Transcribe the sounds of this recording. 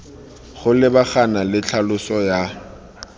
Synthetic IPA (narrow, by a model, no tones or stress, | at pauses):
χʊlɪbaχanalɪt͡ɬʰalʊsɔja